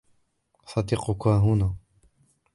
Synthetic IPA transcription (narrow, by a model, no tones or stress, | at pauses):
sɑd̪iqʊkaːɦuna